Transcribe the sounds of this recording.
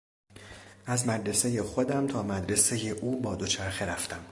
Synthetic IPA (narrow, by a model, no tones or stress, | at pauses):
ʔæzmæd̪ɾe̞se̞je̞xo̞d̪æmt̪ʰɒːmæd̪ɾe̞se̞jeʔuːbɒːd̪o̞t͡ʃʰæɾxe̞ɾæft̪ʰæm